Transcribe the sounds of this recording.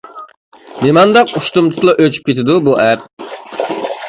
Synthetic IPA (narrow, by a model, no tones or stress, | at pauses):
nemɑnd̪ɑquʃt̪umt̪ʰɨ̥t̪lˠɑʔøt͡ʃʰy̥p̚kʲʰet̪ʰɪd̪ubuʔɛp̚